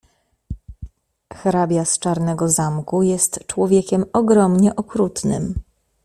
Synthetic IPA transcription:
xɾabʲjast͡ʂaɾnɛɡɔzamkujɛst̪t͡ʂwɔvʲjɛkʲɛmɔɡɾɔmɲɛʔɔkɾut̪nɘ̰m

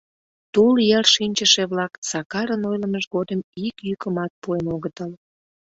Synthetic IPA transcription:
t̪uljerʃinʲt͡ɕəʃeβlɑkt͡sɑkɑɾənojləməʒɣod̪əmikjykəmɑt̪̚puenoɣət̪əl

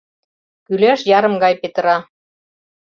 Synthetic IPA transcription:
kyleʃjɑɾɤ̆mɡɑjpet̪əɾɑ

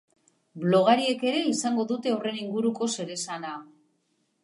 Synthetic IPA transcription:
blo̞ɣ̞aɾie̞ke̞ɾe̞isaŋɡo̞ðut̪e̞ore̞niŋɡuɾuko̞se̞ɾe̞sana

